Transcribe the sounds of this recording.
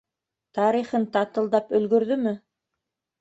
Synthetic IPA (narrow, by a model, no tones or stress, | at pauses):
t̪ɑɾiχɤnt̪ɑt̪ɤ̆lˠd̪ɑpɵ̆lɡɵ̆ɾðɵmɘ